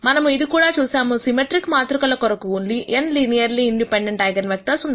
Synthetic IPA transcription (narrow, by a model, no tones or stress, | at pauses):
manɐmɐ̃ɪðɯkuːɽaːt͡ʃuːsaːmɐ̃sɪmɛʈɾɪkːmaːt̪ɾɯkɐɭːɐkːɔɾɐkːɯuːnliʔɛnlinɪjɐɾliɪɳɖɪpɛɳɖɐɳʈaːɪɡɐnʋɐk̚t̪aːsʊnd